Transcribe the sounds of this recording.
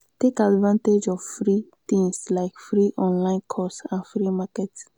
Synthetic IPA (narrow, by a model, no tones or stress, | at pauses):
tekadvãnted͡ʒɔvfɾit̪ĩŋslaɪkfɾiʔɔ̃nlãɪ̃nkʰɔstãnfɾimakɛts